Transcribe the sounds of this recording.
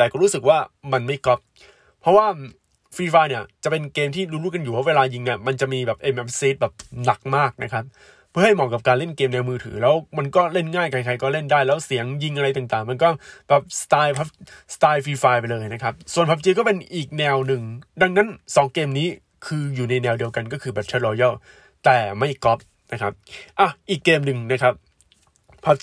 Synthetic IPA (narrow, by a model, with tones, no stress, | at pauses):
t̪ɛː˨˩kɔː˥˩ɾuː˦˥sɯ˨˩k̚waː˥˩ma˧nma˥˩jkɔ˦˥p̚ | pʰːɾɔ˦˥waː˥˩ | fiː˧faː˧ni˦˥˩ɐt͡ɕa˨˩pe˧nkeː˧mt̪ʰiː˥˩duː˧˦nɾu˥˩ka˧njuː˨˩ɔ˦˥weː˧laː˧ji˧ŋni˥˩ma˧nt͡ɕa˨˩miː˧bɛː˨˩p̚ʔe˧mʔe˦˥p̚seː˦˥t̪̚bɛː˨˩p̚na˨˩k̚maː˥˩k̚na˦˥kʰa˦˥p̚ʰː | ɯ˥˩ha˥˩jmɔː˨˩kːa˨˩p̚kaː˧nle˥˩nkeː˧mnɛː˧wmɯː˧t̪ʰɯ̰ː˩˦lɛː˦˥wma˧nkɔː˥˩le˥˩nŋaː˥˩jka˧jkʰa˧jkɔː˥˩le˥˩ndaː˥˩jlɛː˦˥wsi˩˦əŋji˧ŋʔa˧ɾa˧jt̪a˨˩ŋt̪aː˨˩ŋma˧nkɔː˥˩˥b̥ɛː˨˩p̚st̪aː˧jpʰa˦˥p̚sḁt̪aː˧jfiː˧faː˧pa˧jlɤː˧jna˦˥kʰa˦˥p̚su˨˩ənpʰa˦˥p̚t͡ɕiː˧kɔː˥˩pe˧nʔiː˨˩k̚nɛː˧wnɯ˨˩ŋda˧ŋna˦˥nsɔː˩˦ŋkeː˧mniː˦˥ | kʰɯː˧juː˨˩na˧jnɛː˧wdi˧əwka˧nkɔː˥˩kʰɯː˧˩bɛ˨˩p̚t͡ɕʰa˦˥ɾɔː˧jɔ˥˩w | t̪ɛː˨˩ma˥˩jkɔ˦˥p̚ | na˦˥kʰa˦˥p̚ʔa˧˩ʔiː˨˩kːeː˧mnɯ˨˩ŋna˦˥kʰɾa˦˥p̚ | pʰa˦˥p̚